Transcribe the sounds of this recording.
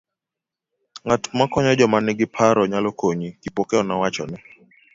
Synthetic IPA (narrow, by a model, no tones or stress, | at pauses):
ŋatmakɔɲɔd͡ʒɔmanɪɡɪpʰaɾɔɲalɔkoɲikipokeɔnawat͡ʃɔnɪ